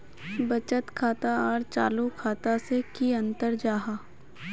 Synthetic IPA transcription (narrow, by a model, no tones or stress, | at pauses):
bɐt͡ʃət̪kʰaːt̪aɔːɾt͡ʃa̰ːlukʰaːt̪asekiɐ̃nt̪əɾd͡ʒaːɦaː